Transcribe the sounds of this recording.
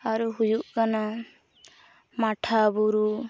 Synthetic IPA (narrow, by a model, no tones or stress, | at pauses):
aɾuɦujuʔkana | maʈʰabuɾu